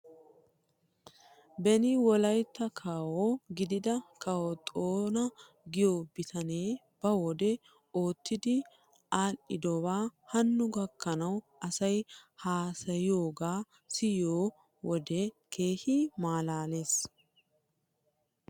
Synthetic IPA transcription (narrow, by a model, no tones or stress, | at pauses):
bɛnɪwɔlɐjt̪ːɐkʰaːwoɡɪd̪ɪd̪ɐkɐwɔt̪ʼoːnɐ | ɡɪjoːbɪt̪ʰɐne̞ː | b̥ɐwɔd̪ɛ | o̞ːt̪ːɪd̪ɪ | ʔaːlːɪd̪ɔbaːhɐnːʊɡɐkːɐnɐwʔɐsɐjhaːsɐjɪjo̞ːɡaː | sɪjoː | wɔd̪ɛkʰe̞ːhɪmaːlaːle̞ːs